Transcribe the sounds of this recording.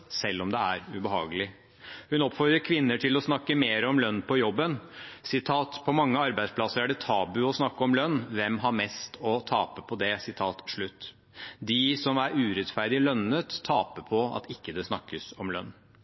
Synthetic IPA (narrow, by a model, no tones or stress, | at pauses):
sɛlːɔmd̪ɛæɾʉbəɦɑ̰ːɡəlɪ | hʉnɔpfɔɾd̪ɾəɾkʰʋɪnːəʈʰɪlɔsnɑkːəmeːɾəɔmlœnːpʰɔjɔbːənsɪt̪ʰɑːt̪pʰɔmɑŋːəɑɾbæɪd̪spʰlɑsːəɾæɖɛt̪ʰɑːbʉɔsnɑkːəɔmlœnːʋɛmɦɑɾmɛst̪ʰɔt̪ʰɑːpəpʰɔd̪ɛsɪt̪ʰɑːt̪ʂɭʉt̪ː | d̪ɪsɔmæɾʉːɾɛt̪fæɾd̪ɪlœnːət̪ʰːɑːpəpʰɔɑ̰t̪ɪkːəd̪ɛsnɑkːəsɔmlœ̰nː